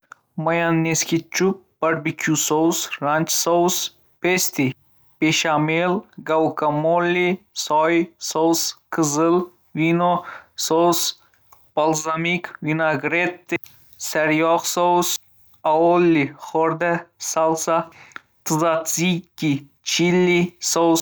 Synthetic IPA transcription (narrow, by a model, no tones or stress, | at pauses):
mɐjanːeskit͡ʃup̚bɐɾbikʲʰusowsɾanʲt͡ʃsows | pest̪i | peʃamelɡɐwkɐmolːisɔjsowskɨzɨl | winosows | pɐlzamikwinaɡɾet̪ː | sɐɾjɔksows | aolːiχoɾd̪esalsa | t̪ɨzat͡sikːi | t͡ʃʰilːisow